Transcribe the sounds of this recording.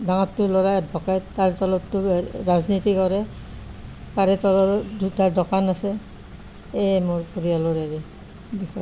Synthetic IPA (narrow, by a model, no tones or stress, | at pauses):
daŋɔtːʊlɔɹaadbʱɔkaɹttaɹtɔlɔtːʊɹaznitikɔɹɛ | kaɹɛtɔlɔtaɹdɔkanasɛ | emʊɹpuɹialɔɹaɹɛ | bixɔj